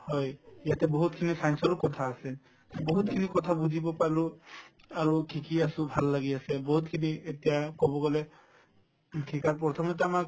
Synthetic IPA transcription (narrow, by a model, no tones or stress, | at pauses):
hɔjijatɛbɔɦut̚kʰinisajnsɔlukɔtʰaːsɛ | bɔɦutkʰinikɔt̪ʰabuzʱibɔpaɹlʊ | aɹukʰikiasũbʱalːaɡiasɛbɔɦut̚kʰinietijakɔbɔɡɔlɛ | kʰikaɹp̬ɹɔt̪ʰɔmɔt̬ɛamak